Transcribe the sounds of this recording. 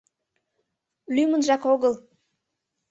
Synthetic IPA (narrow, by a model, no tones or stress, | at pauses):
lymə̆nʒɑkoɣəl